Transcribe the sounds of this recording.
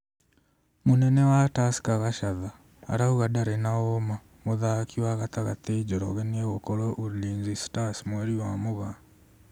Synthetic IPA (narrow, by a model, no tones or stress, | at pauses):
monɛnɛwatasi̥kaɣaʃaða̰ː | ɾauɣadaɾɛnaoma | moðakiwaɣataɣateid͡ʒɔɾɔ̰ɣeneɣokoɾoʔuɾliːnzistasmweɾiwamoɣa